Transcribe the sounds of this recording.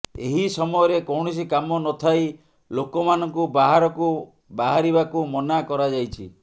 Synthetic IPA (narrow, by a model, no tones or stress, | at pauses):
eɦisɔmɔjɔɾekɔwɳ̃ɔs̬ikamɔnɔt̪ʰaj | lokɔmanɔŋkubaɦaɾɔku | baɦaɾibakumɔnakɔɾad͡ʒajt͡ʃʰi